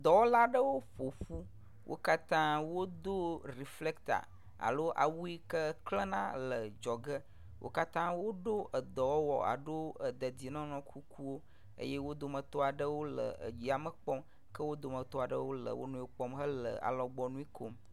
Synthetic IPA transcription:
d̪ɔ˨wo˦la˦ɖə˦wo˦ɸo˨ɸu˦ | wʔo̰˦ka˦t̪ã˦wo˦d̪o˦ɾi˨flɛ˦kt̪a̰˨ | a̰˨lo˦ʔa̰˨wu˦i˦kə˦klə˦nã̰˦lə˨d͡ʒɔ˨ɡə˦ | wʔo̰˦ka˦t̪ã˦wo˦ɖo˦ʔə˨d̪ɔ˨wo˦wɔ̰˨a̰˨ɖo˦ə˨d̪ə˨d̪i˨nɔ̃˦nɔ̃˦kʰu˦ku˦wo˦ | ə̰˦jɛ˦wo˦d̪o˨mə̃˨t̪ɔ˦a˨ɖə˦wo˦lə̰˨ə̰˨d͡ʒi˦a˨mə˨k͡pɔ˦m | kə˦wo˦d̪o˨mə̃˨t̪ɔ˦a˨ɖə˦wo˦lə̰˨wo̰˦nũ˦i˦k͡pɔ˦mɦə˦lə̰˨a̰˨lɔ˨ɡ͡bɔ˨nũ˦i˦kʰo˦m

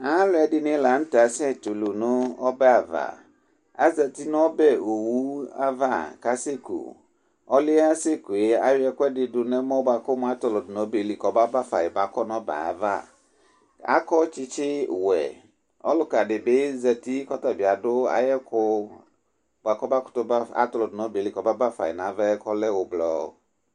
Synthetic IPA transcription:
a˦lʊ˨˦ɛ˨dɪ˨nɪ̃˦la˨˦n̩˦ta˨˦sɛ˦˨tʊ˨lu˨nʊ̃˦ɔ˦bɛ˦a˨va̰˨ | a̰˦zɛ˨ti˦nɔ̃˦ɔ˦bɛ˦o˨wu˦a̰˦va˦˨ka˦se˦kṵ˨ | ɔ˦lɪ˦a˦sɪ˦ku˨e˨˦a˨wɪ˦ɛ˨kʊ˦ɛ˦dɪ˨dʊ˨nɛ̃˦mɔ̃˦ba˨kɔ˦m̃˨˦a˦tɔ˨lɔ˨dnɔ̃˨˦be˨li˨kɔ˨ba˦ba˦fa̰˨jɛ˨ba˨kɔ˦nɔ̃˦ba̰˨a̰˨va̰˦ | a̰˦kɔ˦t͡ʃɪ˦t͡ʃɪ˦wɛ̰˨ | ɔ̰˦lʊ˦ka˨ɖɪ˨be˦zɛ˨t̪i˦kɔ˦t̪a˦bi˨a˨dʊ˦a̰˦jɛ˦kʊ˦ | ba˨kɔ˦ba˦kʊ̥˦t̪ʊ˦ba˦a̰˦t̪ɔ˦lɔ˨dʊ˨nɔ̃˦be˨li˨kɔ˨ba˦ba˦fa̰˨ɛ˨nã˨˦va˦ɛ˦kɔ˦lɛ˦wo˨blɔ̰˨˦

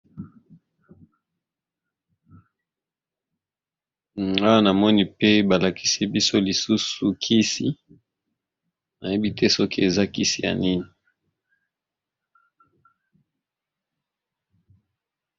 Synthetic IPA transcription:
a˦wa˦na˨mɔ˦ni˦pe˦ba˨la˨kʰi̥˨si˦bi˦so˦li˨su˦su˨kʰi˦si˦ | na˨je˦bi˦te˦sɔ˦ki˦e˨za˦ki˦si˨ja̰˨ni˦ni˨

